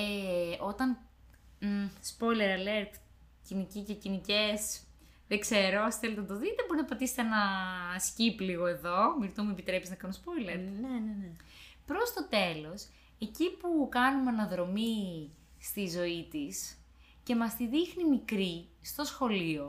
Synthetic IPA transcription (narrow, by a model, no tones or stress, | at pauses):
eo̞t̪ɐn | spo̞jle̞ɾɐleɾt̪ | cinicicecinice̞s | ðeɡse̞ɾoɐsi̥θelt̪nɐt̪o̞ðit̪e̞bo̞ɾinɐpɐt̪iset̪enɐscipliɣo̞e̞ðo̞miɾt̪omuepit̪ɾe̞piznɐkɐnunspo̞jleɾnenene | pɾo̞st̪o̞t̪e̞lo̞s | e̞cipukɐnumeɐnɐðɾo̞mi | st̪izo̞it̪is | ce̞mɐst̪iðixnimikɾist̪o̞sxo̞lio̞